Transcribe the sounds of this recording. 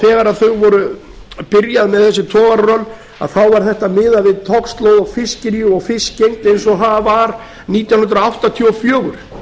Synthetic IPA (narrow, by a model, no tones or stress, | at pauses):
θɛːɣaɾaðθœɥɣvɔɾʏ | pɪɾjaðmɛðθɛsːɪt̪ʰɔːɣaɾɾœn | a̰ðθawvaɾ̥θɛht̪amɪːðavɪðt̪ʰɔkst̪loːwðafɪscɪɾjʏɔɣfɪscejŋt̪ejns̬ɔθavaɾ | niːt̪jawnʏnt̪ɾaawht̪at̪ʰiɔfjœːɣʏɾ̥